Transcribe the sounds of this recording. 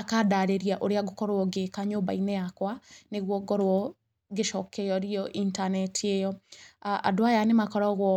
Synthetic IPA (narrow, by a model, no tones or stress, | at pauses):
akadaɾeɾiaʔoɾeaɡokɔɾɔɡekaɲoːmba̰inɛjakwaneɣwɔɡɔɾwɔ | ɡeʃɔkɛjɔɾiɔʔintanɛtiejɔaa̰doajanemakɔɾɔɣwɔ